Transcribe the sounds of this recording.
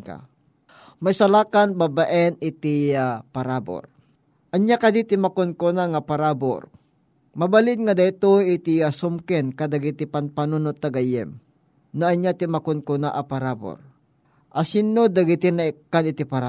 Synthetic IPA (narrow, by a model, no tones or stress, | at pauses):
ka̰ | majsalaːkanbabaʔɛnɪt̪ɪapaɾabo̰ɾ | ʔɐɲjakad̪it̪ɪmakʊnkonaŋapaɾabo̰ɾ | mabalɪd̪̚ŋad̪ajt̪oɪt̪ɪasʊmkɛnkad̪aɡit̪ɪpanpanunot̪ːaɡajɛ̰m | naɐɲjat̪ɪmakʊnkʊnaʔapaɾabo̰ɾ | ʔasɪnːod̪aɡɪt̪ɪnaɪkːanɪt̪ipaɾa